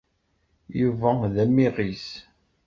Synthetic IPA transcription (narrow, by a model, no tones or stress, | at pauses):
juvæðæmːiʁis